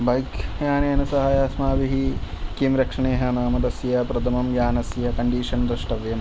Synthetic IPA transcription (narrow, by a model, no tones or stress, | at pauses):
bɐjkjaːneɐnɐsɐɦaːjaːsmaːʋiɦikimɾɐkʂɐɳeːɦɐnaːmɐd̪ɐsjɐpɾɐt̪ʰɐmɐmjaːnɐsjɐkɐɳɖiːʂɐnd̪ɾɨʂʈɐʋjɐm